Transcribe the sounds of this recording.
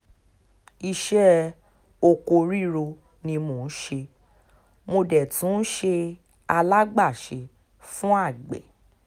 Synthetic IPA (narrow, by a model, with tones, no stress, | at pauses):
i˧ʃɛ˦ | o˧ko˧ɾi˦ɾo˧ | nĩ˧mo˨n̩˦ʃe˧ | mo˧dɛ˨tũ˦ʃe˧ | a˧la˦ɡ͡ba˦˨ʃe˨˧ | fũ˦a˦˨ɡ͡bɛ̰˨